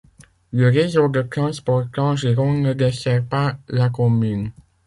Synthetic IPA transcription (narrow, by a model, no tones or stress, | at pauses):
ləʁezod̪ək̪ɑ̃spɔʁkɑ̃ʒeʁɔ̃nəd̪esɛʁpalakɔmyn